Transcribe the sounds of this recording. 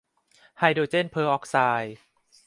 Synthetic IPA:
ha˧˩jdoː˨˩t͡ɕe˥˩npʰɤː˧ʔɔː˦˥k̚saː˧j

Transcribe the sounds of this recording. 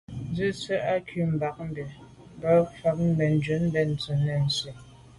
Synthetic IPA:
n˦d͡zə˦˨t͡sə˦ʔa˦kʰɥʉ˨m̩˨ba˨k̚m̩˦bɛ˨ | m˨bə˨˦fa˨˦k̚m̩˦bɛ˨n̩˨˦d͡ʒə˨˦m̩˦bɛ˨n̩˨t͡sə˨nɛ˦˨n̩˨se˨

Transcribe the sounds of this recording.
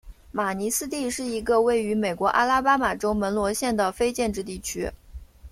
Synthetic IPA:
ma˨˩ni˧˥sɹ̩˥t̪i˥˧ʂɻ̩˥˩i˧˥ɡə˧we˥˩ɪy˧˥me˨˩ɪkwɔ˧˥ʔa̰˥la˥pa˥ma˨˩ʈ͡ʂo˥ʊmə˧˥nlwɔ˧˥ɕjɛ˥˩nd̪ə˩fe˥ɪt͡ɕjɛ˥˧nʈ͡ʂɻ̩˥˧t̪i˥˩t͡ɕʰy̰˥

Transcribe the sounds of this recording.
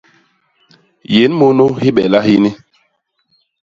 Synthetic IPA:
je˨˦nmo˦no˦hi˦ɓɛ̰˨la˦hi˦ni˦

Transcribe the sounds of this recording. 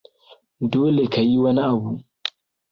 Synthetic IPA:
doː˦le˨kʰa˨ji˦wɐ˦ni˦ʔa˨bu˨

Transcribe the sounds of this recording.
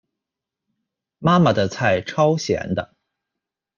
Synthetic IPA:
ma˥ma˨˩d̪ə˩t͡sʰa˥˩ɪʈ͡ʂʰɑ˥ʊɕjɛ̰˧˥nd̪ə˧

